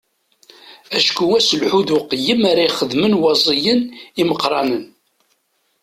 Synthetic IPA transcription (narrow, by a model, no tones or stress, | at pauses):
æʃkuæsəlħuðuqːəjːəmaɾaiχəðmənwɑzˤijəniməqɾˤɑnən